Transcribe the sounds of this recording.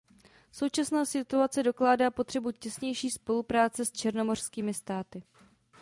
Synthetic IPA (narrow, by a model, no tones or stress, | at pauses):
so̞wt͡ʃasnaːsɪt̪uat͡sɛdo̞klaːdaːpo̞t̪r̝̥ɛbucɛsɲɛjʃiːspo̞lupɾaːt͡sɛst͡ʃɛɾno̞mo̞r̝̥skiːmɪst̪aːt̪ɪ